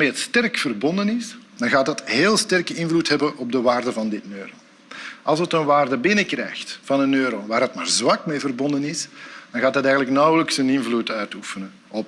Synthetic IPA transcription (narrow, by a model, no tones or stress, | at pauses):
ameːɦətstɛrkfərbɔndənɪsd̥ɑnɣaːtɦɑtɦeːlˠstɛrkəɪnvlutɦɛbənʔɔb̚dəʋaːrdəvɑndɪtnøːɾəl | ɑ̰lˠsətənʋaːrdəbɪnəkrɛ̰ːxtfɑnənøːɾəlˠʋaːɾətmaːrzwɑkmevərbɔndənɪsd̥ɑnɣaːtɑtɛjɣənələknɑwələksənɪnvlutœɥtufənə | ɔp